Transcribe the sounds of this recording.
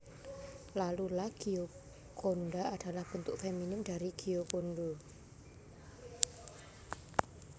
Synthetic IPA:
lalulahɡ̥io | konɖaad̥a̤lahb̥ə̤nt̪ʊkfeminʊmd̥a̤ɾiɡ̥iokoɳɖo

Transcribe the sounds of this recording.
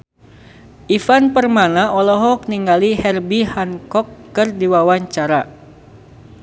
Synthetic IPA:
ʔifanpərmanaʔɔlɔɦɔk̚niŋɡalihɛrbihankɔkːɨrdiwawaɲt͡ʃaɾa

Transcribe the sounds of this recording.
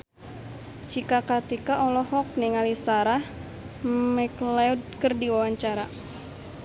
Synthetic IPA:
d͡ʒikakat̪ikaʔɔlɔɦɔk̚niŋalisaɾah | mɛklɛud̚kərdiwawaɲt͡ʃaɾa

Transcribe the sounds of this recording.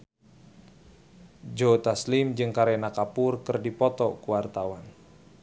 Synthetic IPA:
d͡ʒot̪aslɪmd͡ʒɨŋkaɾenakapʊrkɨrdipɔt̪ɔkuwart̪awan

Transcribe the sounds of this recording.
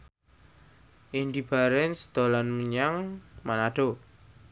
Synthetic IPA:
ʔindib̥aɾɛnsd̪̥o̤lanməɲaŋmanaɖ̥o

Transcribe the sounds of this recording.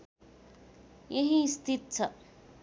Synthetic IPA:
jeɦĩst̪ʰit̪̚t͡sʰʌ

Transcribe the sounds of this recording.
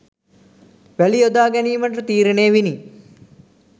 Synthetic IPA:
ʋæliod̪aːɡɛniːməʈ̬ət̪iːɾeneːʋini

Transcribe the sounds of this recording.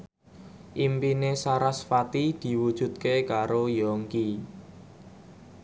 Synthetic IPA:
ʔimpinesaɾasfat̪id̪̥i̤wud̥ʒ̥ṳt̪̚kekaɾojɔŋki

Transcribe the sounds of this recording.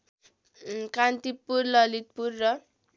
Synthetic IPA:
kant̪ipurlʌlit̪̚purːʌ

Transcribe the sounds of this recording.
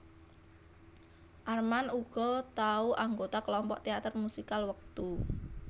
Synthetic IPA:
ʔarmanuɡ̥ɔ̤t̪auʔaŋɡot̪aklɔmpɔ̰ʔt̪eat̪ərmusikalwək̚t̪u

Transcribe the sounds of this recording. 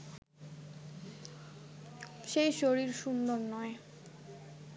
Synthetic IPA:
ʃejʃoɾiɾʃund̪oɾnɔe

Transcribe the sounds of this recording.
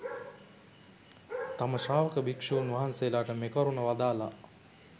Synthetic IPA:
t̪aməʃaːʋəkəbʱikʂeunʋaɦanseːlaːʈəmekəɾunəʋad̪aːla

